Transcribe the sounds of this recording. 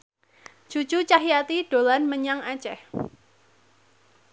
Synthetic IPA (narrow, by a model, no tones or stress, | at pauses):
d͡ʒ̥u̥t͡ʃut͡ʃaɦiat̪iɖ̥olanməɲaŋat͡ʃɛh